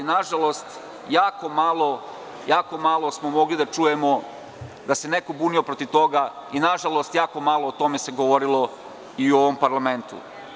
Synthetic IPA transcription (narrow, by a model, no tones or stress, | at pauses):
naʒalo̞st̪ | jaːko̞malˠo̞ | jaːko̞malˠo̞smomo̞ɡlid̪at͡ʃuːje̞mo | d̪ase̞ne̞kobuːnio̞pɾot̪iʋt̪o̞ɡainaʒalˠo̞st̪jaːko̞maːlˠoːt̪o̞me̞se̞ɡoʋo̞ɾilo | iuoʋompaɾlˠame̞nt̪ṵ